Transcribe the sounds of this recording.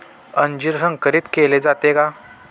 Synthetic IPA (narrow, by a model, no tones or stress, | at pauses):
ənd͡ʑiɾsə̃ŋɡkəɾiːt̪keled͡zat̪eka